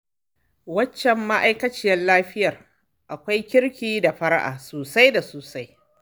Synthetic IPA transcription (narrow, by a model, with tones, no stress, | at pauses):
wɐ˦t͡ʃːɛ˨mːa˦ʔa˦jkɐ˦t͡ʃɪ˦jɛ˦nlaː˦ɸɪ˦jɐ˨r | ʔa˨kʷa˦jkʲɪ˦ɽkʲiː˦da˨ɸɐ˦ɽa˦ʔa̰ː˨soː˨sa˦jda˨soː˨sa˦j